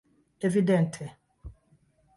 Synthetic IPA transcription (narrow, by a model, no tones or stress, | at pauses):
evidɛ̃ntʰɛ